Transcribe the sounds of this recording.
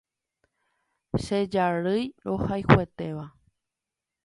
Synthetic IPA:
ʃed͡ʒaɾɨjɾohajhʷwe̞t̪e̞ʋa

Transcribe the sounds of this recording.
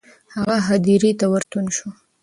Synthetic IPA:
haɣaɦad̪iɾit̪awaɾt̪unʃu

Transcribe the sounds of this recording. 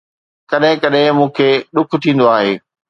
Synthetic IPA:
kɐɗɦɪ̃kɐɗɦɪ̃mũːkʰeːɗʊk̆ʰt̪ʰĩːn̆d̪oaːɦeː

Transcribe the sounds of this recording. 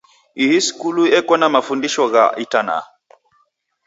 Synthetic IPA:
ihiskuluɛkwɔnamafundiʃɔɣa̰itana̰

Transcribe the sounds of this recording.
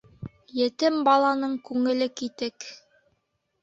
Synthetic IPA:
jɘ̆t̪ɘmbɑlˠɑnɤɴkʉŋɘ̆lɘkit̪ɘk

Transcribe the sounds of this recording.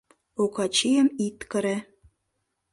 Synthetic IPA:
okɑt͡ɕijəmit̪kə̆ɾĕ

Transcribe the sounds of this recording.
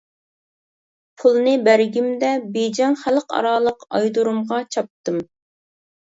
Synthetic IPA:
pʰulˠnɨbæɾɡʲimd̪ɛbed͡ʒɛŋχælqɑ̰ɾɑːlˠəqɑjd̪uɾumʁɑt͡ʃʰɑp̚t̪ɨm

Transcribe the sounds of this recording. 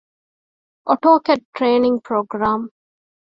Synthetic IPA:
ʔoʈoːkeʈ̚ʈɾeːnɪ̃ŋpɾoːɡɾãːm

